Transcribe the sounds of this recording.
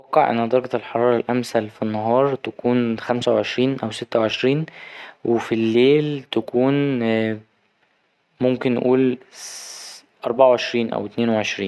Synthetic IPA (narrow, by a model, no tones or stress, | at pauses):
æqːɑʕʔḛnːæd̪ɑɾˤɑɡɑlħɑɾˤɑːɾˤɑlʔæmsælfinːɑɦɑːɾˤt̪ækuːnxæmsæwʕeʃɾiːnʔæwset̪ːæwʕeʃɾiːnwʔefilːeːlt̪ækuːn | momken̰ːʔuːl | ʔɑɾˤbɑʕawʕeʃɾiːnʔæ̰wet̪neːnweʕeʃɾiːn